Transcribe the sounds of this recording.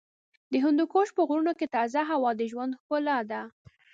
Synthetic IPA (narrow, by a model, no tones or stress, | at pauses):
d̪əɦʊnd̪ukoʃpəɣɾunoket̪ɑzaɦawɑd̪əʒwand̪xolɑd̪a